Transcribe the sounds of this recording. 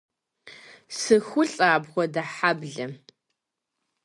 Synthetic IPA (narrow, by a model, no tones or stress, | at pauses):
sɨxʷʊɬʼaːbʁʷɔdɐħabɮɐ